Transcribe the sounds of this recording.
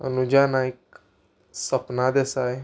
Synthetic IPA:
ə̰nud͡ʑanaik̚ | səpnad̪esaj

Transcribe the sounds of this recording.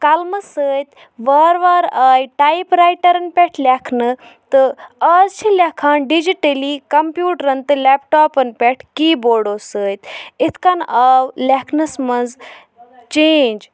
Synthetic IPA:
kɐlmɐsəːjt̪ | ʋaːɾʋaːɾaːjʈajpɾaːjʈɐɾɐnpʲeʈʰlʲekʰnɨt̪ɨaːzt͡ʃʰilekʰaːnɖid͡ʒiʈɐlikɐmpjuːʈɐɾɐnt̪ɨlepʈaːpɐnpʲeʈʰkiːboːɽosəːt̪it̪ʰkanaːwlʲekʰnɐsmɐnz | t͡ʃeːnd͡ʒ

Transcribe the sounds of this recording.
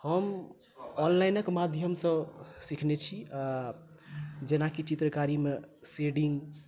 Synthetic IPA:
həm | ɔnlajnəkmad̪ʱjəmsə̃sikʰnet͡ʃʰia | d͡ʒenakit͡ʃit̪ɾəkaɾimeseɽiŋɡ

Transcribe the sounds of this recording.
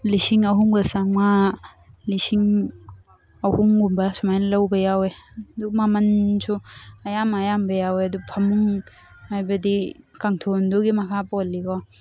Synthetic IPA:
lisiŋɐɦuŋɡɐsaŋma | lisiŋ | ɐhuŋɡumbasumajnlawbajawedumamɐnsuɐjamajambajaweɐdupʰɐmuŋ | hajbɐdikaŋtʰondoɡimɐkʰapɔlːikɔ

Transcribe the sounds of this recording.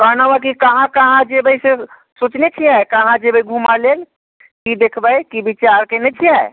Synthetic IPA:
kəɦnaʋak̬ikəɦãkəɦãd͡ʒebəise | sut͡ʃnet͡ʃʰiɦɛjkəɦãd͡ʒebəiɡʱumalel | kid̪ekʰbəjkibit͡ʃaɾkenɛt͡ʃʰiɦɛj

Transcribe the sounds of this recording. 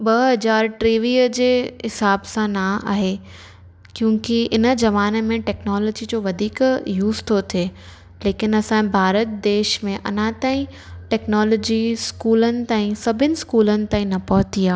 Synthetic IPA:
bɐɦɐd͡ʑaːɾʈɾiːʋiəd͡ʑeːɦɪsaːbsãnaa̰ːɦe | kjũːkiɪnə̆zɐʋaːnmẽʈɛːknɔːlɔːd͡ʑid͡ʑoːʋɐd̪ʱiːkjuːzt̪ʰot̪ʰeː | leːkɪnɐsãbʱaːɾət̪̚d̪eːʃmẽʔɐ̰nãt̪aːĩ | ʈɛːknaːlɔːd͡ʑiskuːlənɪ̆t̪ãːĩsɐbʱɪnɪ̆skuːlənɪ̆t̪aːĩnɐpɐɦʊt̪iaː

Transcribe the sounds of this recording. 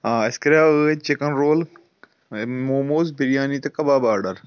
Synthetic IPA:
ɦaːɐskɐɾaːəet͡ʃekɐnɾoːl | moːmoːzbiɾijaːniːt̪ɐkɐbaːbaːɾɖɐɾ

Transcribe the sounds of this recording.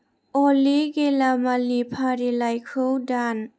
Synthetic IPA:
ɔliɡelamalipʰaɾilajkʰɯwdan

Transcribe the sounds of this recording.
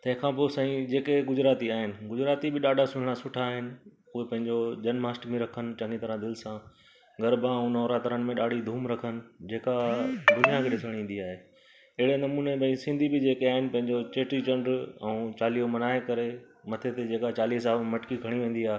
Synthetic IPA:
t̪ɐ̃ɦɪ̃kʰãːposãːĩd͡ʑeːkeɡʊd͡ʑɾaːt̪iaːɦɪnɪ̆ɡʊd͡ʑɾaːt̪ibɪɗaːɖʱasʊɽ̤ɪɽ̃asʊʈʰaːɦɪnɪ̆ | ʊɦepɐ̃ɦɪ̃ɲd͡ʑod͡ʑɐnmaːsʈmẽɾɐkʰənɪ̆t͡ɕɐ̃ŋit̪ɐɾãd̪ɪlɪsã | ɡɐɾbãũnɔːɾat̪əɾənɪmẽɗaːɖʱid̪ʱuːmɾɐkʰənɪ̆d͡ʑeːkad̪ʊnijakʰeɗɪsəɽ̃ĩːn̆d̪iaːɦeː | ɪɦɪɽenɐmuːnebɐ̃ĩsɪ̃nd̪ʱibɪd͡ʑeːkeaːɦɪnɪ̆pɐ̃ɦɪ̃ɲd͡ʑot͡ɕeːʈit͡ɕɐ̃ɳɖɛ̃ũt͡ɕaːliomɐnaːekɐɾe | mɐt̪ʰet̪ed͡ʑeːkat͡ɕaːliːsaːmɐʈkikʰɐɽ̃iʋẽːn̆d̪iaːɦe

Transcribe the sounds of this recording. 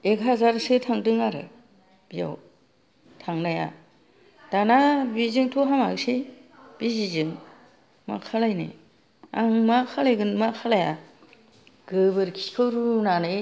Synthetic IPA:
ekɦazaɾsɯtʰaŋdɯŋaɾɯ̰ | b̥ija̰w | tʰaŋnaja̰ | d̥anabizɯŋtʰoɦama̰ɡseb̥izizɯŋ | ma̰kʰalajnɯ̰ | aŋmakʰalajɡɯnmakʰalaja | ɡ̥ɯbɯɾkʰi̥kʰɯwɾunanɯ

